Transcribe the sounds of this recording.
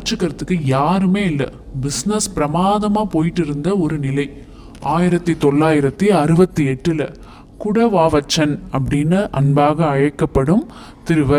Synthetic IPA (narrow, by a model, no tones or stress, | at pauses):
t͡ʃːɯkːɐɾɐt̪ːɯkːɯjaːɾɯmeːɪlːɐ̰ | bɪsnɐspɪɾɐmaːðɐmaːpoːjɪʈːɪɾɯnd̪ɐɔɾɯnɪlɐɪ | aːjɪɾɐt̪ːɯt̪ɔɭːaːjɪɾɐt̪ːiɐɾɯbɐt̪ːɯɛʈːɯlɐ | kʊɽɐʋaːʋɐt͡ʃːɐnɐpːɐɽinːɯʔɐnbaːɣɐɐɻɐkːɐpːɐɽɯm | t̪ɪɾɯʋɐɾ